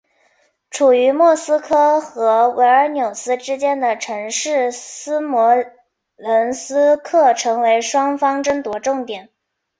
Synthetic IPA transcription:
ʈ͡ʂʰu˨˩y˧˥mwɔ˥˩sɹ̩˥kʰɤ˥xɤ˧˥we˧˥ɪə˞˧˥njo˨˩ʊsɹ̩˥ʈ͡ʂɻ̩˥t͡ɕjɛ˥nd̪ə˨ʈ͡ʂʰɤ˧˥ŋʂɻ̩˥˩sɹ̩˥mwɔ˧˥ | lə˧˥nsɹ̩˥kʰɤ˥˩ʈ͡ʂʰɤ˧˥ŋwe˧˥ɪʂwɑ˥ŋfɑ˥ŋʈ͡ʂə˥ŋt̪wɔ˧˥ʈ͡ʂʊ˥˩ŋt̪jɛ˨˩˦n

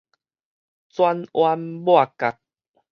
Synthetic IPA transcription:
t͡swa˦nwa˧nbo˦a˨ka˨k̚

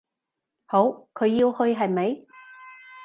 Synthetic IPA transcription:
ho˨˥wkʰɵ˨˧ɥːi˧whɵ˧ɥɦɐ˨jmɐ˨˥j

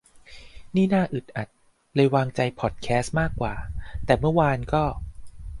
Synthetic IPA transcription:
niː˥˩naː˥˩ʔɯ˨˩t̪̚ʔa˨˩t̪̚ | lɤ˧jwaː˧ŋt͡ɕa˧jpʰɔ˨˩t̪̚kʰɛː˦˥s̚maː˥˩kːwaː˨˩t̪ɛː˨˩mɯ˥˩ɐwaː˧nkɔː˥˩

